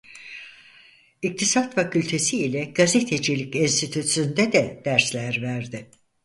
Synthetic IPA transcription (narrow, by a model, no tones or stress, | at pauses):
ik̚t̪ʰisat̪facʰylʲt̪ʰe̞siːlʲɛɡ̥azet̪ʰed͡ʒilʲicinst̪ʰit̪ʰut̪synd̪ɛd̪ɛd̪̥æɾslʲæɾvæɾd̪ɪ